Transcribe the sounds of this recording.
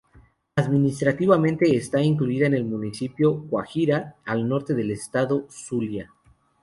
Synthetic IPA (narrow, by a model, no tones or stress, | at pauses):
aðmĩnist̪ɾat̪iβamẽnt̪e̞ːst̪aiŋkluiðaene̞lmũnisipjo̞kwaxiɾaːlno̞ɾt̪e̞ðe̞le̞st̪aðo̞sulja